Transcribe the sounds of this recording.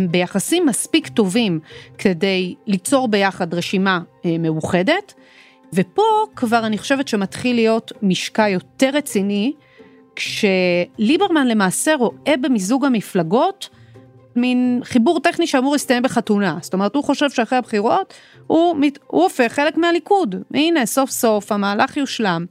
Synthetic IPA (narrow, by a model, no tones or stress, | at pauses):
be̞jaχasimːaspikto̞vimkʰede̞jlit͡so̞ʁbe̞jaχadʁeʃimame̞uχe̞de̞t | vepo̞kvaʁaniχoʃe̞vetʃematχilijo̞tmiʃkajo̞te̞ʁːet͡sini | kʃe̞libeʁmanle̞maːse̞ʁo̞ʔe̞bemizuɡhamiflaɡo̞t | minχibuʁt̪e̞χniʃeamuʁlistajembeχatunasto̞me̞ethuχo̞ʃe̞vʃeaχehabχiʁo̞t | humiṵofe̞χe̞le̞kmealikudmeine̞so̞fso̞fhamaːlaχjuʃlam